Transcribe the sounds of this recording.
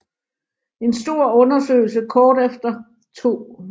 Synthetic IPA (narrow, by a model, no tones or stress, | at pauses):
e̝nsd̥o̝ɐ̰ɔ̽nɐsø̰ɪl̩səkʰɒːd̥efd̥ɐ | t͡sʰo̝̰ː